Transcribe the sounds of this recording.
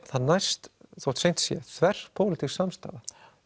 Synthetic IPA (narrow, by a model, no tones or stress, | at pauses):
θaðnajst̪θɔt̪sejn̥t̪sjɛ̰θvɛr̥pʰowlɪt̪ʰisamst̪a̰ːða